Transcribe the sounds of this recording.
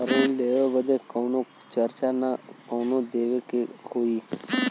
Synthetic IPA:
əɾonleːoːbəd̪eːkoːnõː | t͡ʃəɾt͡ʃaːnakoːnõːd̪eːʋeːkekʰoːiː

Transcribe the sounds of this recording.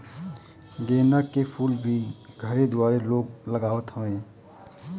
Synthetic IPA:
ɡ̪eːnakepʰuːlbʱiɡʱəɾed̪ʊaːɾeloːɡ̚ləɡaːʋət̪ɦõẽː

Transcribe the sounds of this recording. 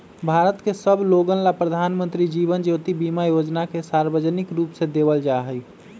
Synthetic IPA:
bʱaɾət̪kesəbʱloɡənlapɾəd̪ʱanmənt̪ɾid͡ʒibənd͡ʒot̪ibimajod͡ʒnakesaɾbəd͡ʒnikɾuːpsẽd̪ebəld͡ʒaɦəj

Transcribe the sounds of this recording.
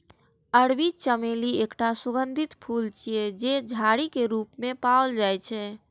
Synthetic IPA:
əɽbit͡ʃəmeliekʈasuɡənd̪ʱit̪pʰult͡ʃijed͡ʒed͡ʒʱaɽikeɾupmẽpaold͡ʒajt͡ʃʰɛ

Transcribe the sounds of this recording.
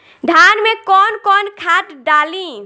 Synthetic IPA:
d̪ʱanmekɔnkɔnkʰaʈɖalĩ

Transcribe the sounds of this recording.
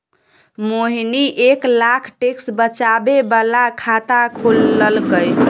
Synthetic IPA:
moɦiniʔeklakʰʈeksbət͡ʃabebalakʰat̪akʰoləlɡəj

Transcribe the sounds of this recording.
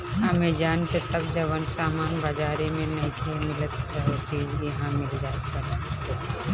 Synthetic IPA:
ɦaːmed͡ʒaːnket̪ɐb̚d͡ʒɐʋənsaːmaːnbɐd͡ʒaːɾemẽnɐɦĩkʰemɪlət̪̚ɦet͡ʃiːzbʱiɦãmɪld͡ʒaːkɐɾa

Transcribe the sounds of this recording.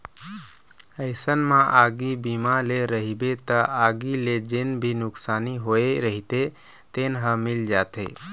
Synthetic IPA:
əɪsənmãʔaɡibimaleɾəɦibet̪əʔaɡiled͡ʒenbʱinʊksaniɦoeɾəɦit̪e | t̪enɦəmild͡ʒat̪ḛ

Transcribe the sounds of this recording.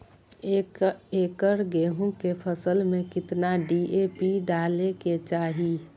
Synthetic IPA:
eːkəɾɡeːɦũkepʰəsəlmẽkɪt̪naɖiʔepiɖaːleket͡ʃaːɦi

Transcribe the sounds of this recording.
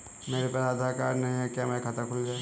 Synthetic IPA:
meːɾepat̪ad̪ʱaːkaːɾnɐɦĩɦɛkjaːmɛ̃kʰɐt̪əɾkʰʊɾiɦɛ

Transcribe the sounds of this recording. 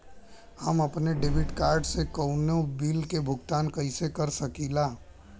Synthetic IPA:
həməpneɖeːbɪʈkaːɾɖsekəʊnobiːlkebʱʊɡt̪aːnkəɪsekəɾsəkiːlaː

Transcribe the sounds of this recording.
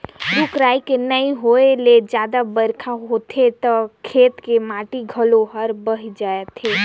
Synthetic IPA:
ɾʊkɾaːikenəĩɦoeled͡ʒjaːd̪abəɾkʰaɦoːt̪ʰet̪ɔkʰeːt̪kemãːʈiɡʱəloɦəɾbəɦid͡ʒaːet̪ʰeː

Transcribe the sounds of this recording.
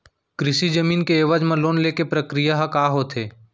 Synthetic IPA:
kɾɪʃid͡ʒəmiːnkeeːʋəd͡ʒmə̃loːnleːkepɾəkɾijaɦakaːɦoːt̪ʰeː

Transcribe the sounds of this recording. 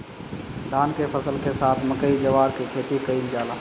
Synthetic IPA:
d̪ʱaːnkepʰəsəlkesaːt̪ʰməkəid͡ʒəʋaːɾkikʰeːt̪ikəind͡ʒaːlaː

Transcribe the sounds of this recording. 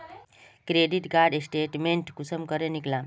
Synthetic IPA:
kɾeɖiʈɡaɾɖesʈeʈmeɳʈkusəmkəɾẽniklã

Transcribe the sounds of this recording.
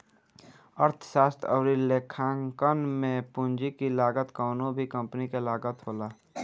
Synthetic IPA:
əɾt̪ʰə̥ʃaːst̪ʰə̰ʋɾileːkʰãːŋkənmẽpʊnd͡ʒikilaːɡət̪koːnõbʱikə̃mpnikelaːɡət̪ɦoːlaː

